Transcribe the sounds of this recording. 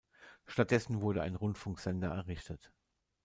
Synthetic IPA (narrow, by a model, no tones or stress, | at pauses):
ʃtat̚d̥ɛsn̩vʊɐɾəa̰ɪnʁʊntfʊŋkz̥ɛndɐɛɐʁɪçtət